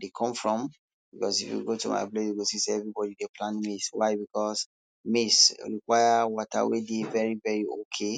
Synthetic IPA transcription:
dekʰɔ̃mfɹɔ̃m | bikɔsifjṵɡotuma̰ɪblɔjuɡosiseɛvɹibɔdideplãnmiswaɪbikɔs | mesɹikwajawɔta̰wedevɛɹivɛɹiokʰe

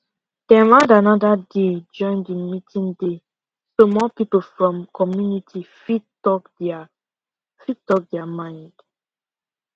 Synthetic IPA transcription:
d̥ɛ̃nɹãdanɔdaded͡ʒɔ̃ɪ̃ndĩnmitʰĩnde | somɔpipl̩fɹɔ̃mkʰɔmjunitʰifitɔkd | fitɔk̚dɛamãɪ̃nd̥

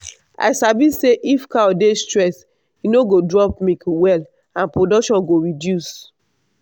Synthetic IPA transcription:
a̰ɪsabiseʔifkadestɹɛs | inoɡodɹɔp̚mikwɛl | ãnpɹodɔkʃɔ̃nɡoɹidjus

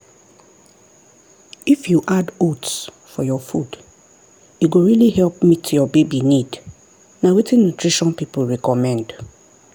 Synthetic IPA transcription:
ifjuʔadots | fɔjɔfud | juɡoɹilihɛlpmitʰjɔbebinid | nawetĩnːutɹiʃɔ̃npipuɹɛkɔmɛ̃nd

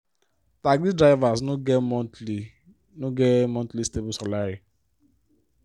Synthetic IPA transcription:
taɡlidɾaɪvasnoɡmɔti | noɡɛmɔ̃ntlistebusalaɾi

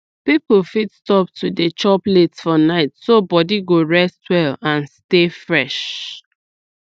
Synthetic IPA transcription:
piplfitstɔp̚tʰudet͡ʃɔpletsfɔnaɪtsobɔdiɡoɹɛstʰwɛlãnstefɹɛʃ

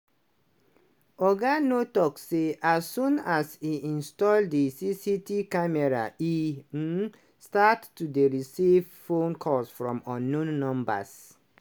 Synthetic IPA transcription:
ɔɡanotɔkseʔasũnasiʔĩnstɔlddisisitikamɛɹa̰ʔi | statːudeɹisivfõnkʰɔsfɹɔ̃mɔnũnːɔ̃mba̰s

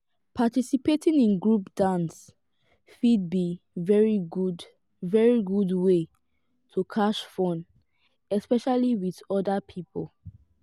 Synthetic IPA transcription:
pʰatisipetĩŋĩnɡɹupd̥ãns | fid̚bi | vɛɹiɡud | vɛɹiɡudwe | tʰukʰaʃfɔ̃n | ɛspɛʃaliwiðɔdapʰipɔl

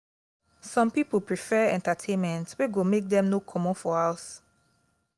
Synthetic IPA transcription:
sɔ̃mpipəpɹifɛɛ̰̃ntatʰẽnmɛ̃ntweɡomek̚dɛ̃mnokʰɔmɔ̃nfɔaʊs

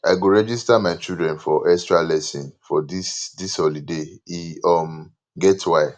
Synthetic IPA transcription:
aɪɡoɹɛd͡ʒistamaɪt͡ʃidɹɛ̃nfɔʔɛstɹalɛsĩnfɔdisdisɔlideiɔm | ɡɛtwa

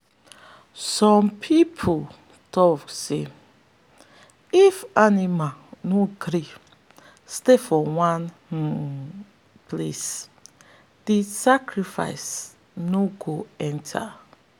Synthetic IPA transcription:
sɔ̃mpʰipʰo | tʰɔkse | ifanimanoɡɾi | stefɔwãn | ples | d̥isakʰɹifa̰ɪs | noɡoɛ̃ntʰa̰

